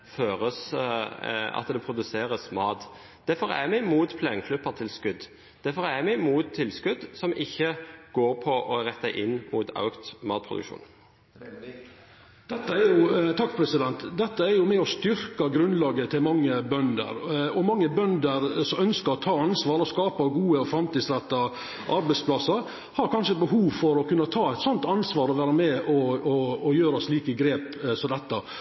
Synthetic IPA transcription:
føːɾəs | ɑ̰t̪d̪ɛpʰɾʊd̪ʉseːɾəsmɑːt̪ | d̪̥æfɔɾæ̰ɾmɛmuːt̪pʰleŋkʰlʉpːəɾt̪ʰɪlskʉd̪ | d̪̥æfɔɾæmɛmuːt̪ʰːɪlskʉd̪sɔmʔɪçːəɡ̥oːɾpʰɔʔɔɾɛt̪ːæɪʔɪnːmuːt̪ʰɑ̰ʉkt̪mɑːt̪̚pʰɾʊ̰d̪ʉ̰kʃṵːn | d̪̥ɛt̪ːəæɾjʊt̪ʰɑkːpʰɾɛsɪd̪ɛnt̪d̪ɛt̪ːəæɾjʊmɛɔst̪ʏɾkɑɡɾʉnlɑːɡət̪ʰɪlmɑŋːəbœnd̪ə̰ɾɔmɑŋːəbœnd̪əɾsɔmœnskəɾɔt̪ʰɑːɑnsʋɑːɾɔskɑːpɑɡuːəɔfɾɑmt̪iːd̪sɾɛt̪ːɑ | ʔɑɾbɛɪspʰlɑsəɾ | hɑɾkʰɑnʂəɛt̪̚bəɦuːʋfɔɾɔkʉnːɑt̪ʰɑːɛt̪sɔnt̪ɑnsʋɑːɾɔʋæːɾəmɛɔɔːjøːɾɑsliːkəɡɾeːpsɔd̪ɛt̪ːə

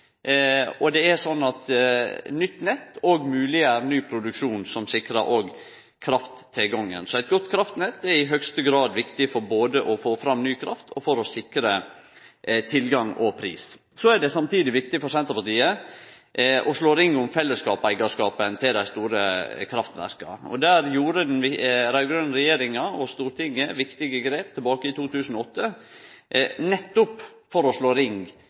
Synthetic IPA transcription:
ɔd̪ɛæɾsɔnːɑt̪ | nʏt̪ːnɛt̪ːɔɡmʉːlɪæɾnyːpʰɾʊd̪ʉkʂuːnsɔmsɪkɾəɾʔoːɡ | kʰɾɑft̪t̪ʰːɪlɡɑŋːə̰nsɔæɪt̪ɡɔt̪ːkʰɾɑft̪nɛt̪ːɛɾɪɦœɡst̪əɡɾɑːd̪ʋɪkt̪ɪfɔɾboːd̪əʔɔfoːfɾɑmnyːkʰɾɑft̪ʰɔfɔɾɔsɪkɾə | t̪ʰɪlɡɑŋɔpʰɾḭːs | sɔæɖɛsɑmt̪iːd̪ɪʋɪkt̪ɪfɔɾsɛnt̪əpɑt̪iːə | ʔɔʂɭoːɾɪŋːʊmfɛlːəskɑːpæɪɡɑʂkɑːpənt̪ʰɪld̪æɪst̪uːɾəkʰɾɑft̪nʋæ̰ɾkɑ̰ɔ̰d̪æːɾjuːɾəd̪ɛnʋɪɾɑʏɡɾœnɾɛjeːɾɪŋɑɔst̪uːɾt̪ɪŋəʋɪkt̪ɪɡəɡɾeːp̚t̪ʰɛlbɑːkəɪt̪uːt̪ʰʉːsən̩ɔɔt̪ːə | nɛt̪ːʊp | fɔɾɔʂɭoːɾɪŋɡ

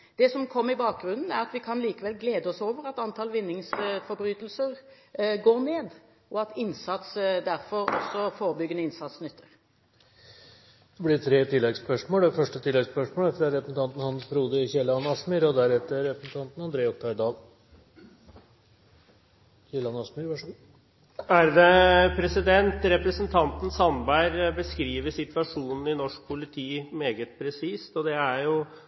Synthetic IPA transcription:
d̪̥ɛsɔmkʰɔmːəɾɪbɑːk̚ɡɾʉnn̩æɾɑt̪ʋɪkʰɑnliːkəʋɛlɡleːd̪əɔsoːʋəɾɑt̪ɑnt̪ʰɑːlʋɪnːɪŋsfɔɾbɾyːt̪lsəʁ | ɡoːɾneːd̪ | ɔɑt̪ɪnsɑt̪sd̪æɾfɔɾɔ̰sɔfoːɾəbʏɡənəɪnsɑt̪snʏt̪ʰːəɾ | d̪̥ɛblɪʈʰɾeːt̪ʰɪlːɛɡspœʂmoːlfœʂʈət̪ʰɪlːɛɡspœʂmoːlfɾɑɾɛpɾəsn̩t̪ɑnt̪n̩hɑnsfɾuːd̪əçɛləɑnːɑsmyɾɔd̪æɾɛt̪əɾɛpɾəsn̩t̪ʰɑnt̪n̩ɑnd̪ɾeːɔk̚t̪ʰɑɾd̪ɑːl | çɛləɑnɑsmyɾʋɑʂ | æɾd̪ɛpʰɾɛsɪd̪ɛnt̪ɾɛpɾəsənt̪ʰɑnt̪n̩sɑnbæɪɾbəskɾiːʋəsɪt̪ʋɑʂuːnn̩ɪnɔʂk̚pʰʊlɪt̪ʰiːmeːɡət̪̚pʰɾɛsiːst̪ɔd̪ɛæɾjʊ

